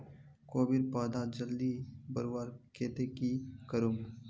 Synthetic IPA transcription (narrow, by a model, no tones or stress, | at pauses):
koːbiɾpaːd̪ad͡ʒəld̪ibəɾwaːɾkʰeːt̪ekikəɾum